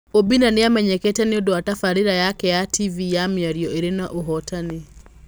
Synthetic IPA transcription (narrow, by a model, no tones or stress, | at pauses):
obinaneamɛɲɛkɛtɛneodoatafaɾiɾajakɛjativijamjaɾjɔeɾenaʔoɦɔtane